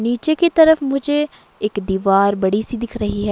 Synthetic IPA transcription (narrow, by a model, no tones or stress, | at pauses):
niːt͡ʃekit̪ɐɾəfmʊd͡ʒʱe | eːkd̪iːʋaːɾbɐɽisid̪ɪkʰɾɐɦiɦɛː